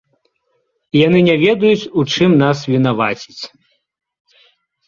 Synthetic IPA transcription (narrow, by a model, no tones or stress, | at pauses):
ijanɨnʲɛvʲɛd̪ɐjut͡sʲut͡ʂɨmnas̬vʲin̪avat͡sʲi̥t͡sʲ